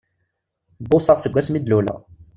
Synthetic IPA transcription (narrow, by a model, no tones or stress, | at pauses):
bʊsɑʁsəɡʷæsmid̪lulæ̰